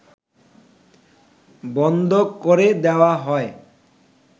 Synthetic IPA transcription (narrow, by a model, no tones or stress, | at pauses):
bɔnd̪ʱokoɾed̪ewaɦɔe